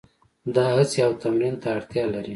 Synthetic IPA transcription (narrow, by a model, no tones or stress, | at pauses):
d̪ɑhət͡sjawt̪amɾint̪aːɽt̪jɑlaɾi